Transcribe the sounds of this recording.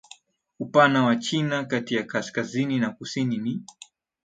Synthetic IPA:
upanawat͡ʃinakatijakaskazininakusinini

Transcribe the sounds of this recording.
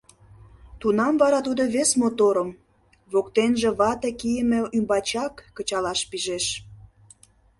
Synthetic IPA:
t̪unɑmvɑɾɑt̪ud̪oβesmot̪oɾəm | βokt̪enʒĕβɑt̪ekijəmĕymbɑt͡ɕɑkːə̆t͡ɕɑlɑʃpiʒeʃ

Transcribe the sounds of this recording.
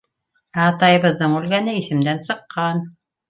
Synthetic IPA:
æːt̪ɑjɤ̆βɤ̆ðːɤɴʉlɡænɘiθɘ̆md̪ænsɤ̆qːɑn

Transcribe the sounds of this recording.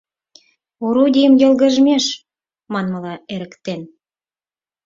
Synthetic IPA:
oɾud̪ʲijəmjɤ̆lɣə̆ʒmʲeʃ | mɑnməlɑeɾə̆kt̪en

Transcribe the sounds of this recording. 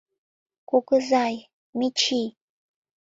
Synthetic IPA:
kʷʊkʼɨzaj | mit͡ʃʰi

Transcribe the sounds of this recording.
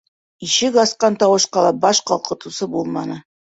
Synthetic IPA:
iʃɘɡɑsqɑnt̪ɑwɤ̆ʃqɑlˠɑbɑʃqɑlˠqʰɤ̆t̪ɤ̆sɤbulˠmɑnɤ

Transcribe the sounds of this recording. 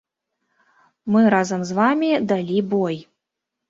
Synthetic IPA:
mɨɾazɐmzvamʲid̪alʲibɔj

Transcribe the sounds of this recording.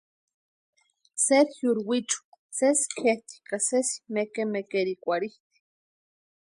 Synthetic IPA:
seɾjuɾwit͡ʃu̥ | seskʰeht̪i̥kasesi̥mekemekeɾikʷaɾiht̪i̥

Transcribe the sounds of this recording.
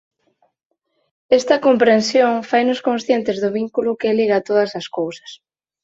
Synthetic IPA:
ɛst̪ɐkompɾensjoŋfajnʊskõnsθjent̪ɪzðʊβiŋkulʊkɪliɣɐt̪oðɐsɐskowsɐ̥s

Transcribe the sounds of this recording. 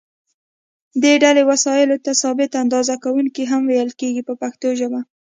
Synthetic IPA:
d̪eɖalewasɑjɪlot̪asɑbɪt̪and̪ɑzakawuŋkiɦamwejəlkeɡipəpaxt̪oʒəba

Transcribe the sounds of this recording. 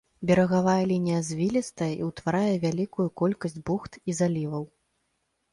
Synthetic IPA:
bʲɛɾɐɣavajɛlʲinʲijɐzʲvʲilʲist̪ɐjɛʔiwt̪vaɾajɛvʲalʲikujukɔlʲkɐsʲd͡zʲbuxt̪izalʲivɐw

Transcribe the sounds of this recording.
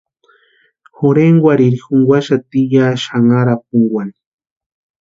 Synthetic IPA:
xoɾeŋɡwʷaɾiɾixuŋɡwaʃat̪ijaːʃaŋaɾap̚uŋɡwani

